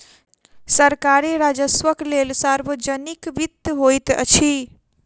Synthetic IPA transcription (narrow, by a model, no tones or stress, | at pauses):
səɾkaɾeɾad͡ʒəswəklelsaɾbəd͡ʒənikbit̪ɦojt̪ə̰t͡ʃʰi